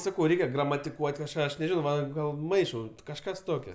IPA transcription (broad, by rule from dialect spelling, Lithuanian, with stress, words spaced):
ˈsɑːkɐʊ ˈrʲɛɪkʲɛ ɡrɐmɐtʲɪˈkuɔtʲ kɐʃˈkɑː ˈɐʃ nʲɛˈʒʲɪnɐʊ ˈʋɐ ˈɡɐlˠ ˈmɐɪʃɐʊ kɐʃˈkɐs ˈtoːkʲoː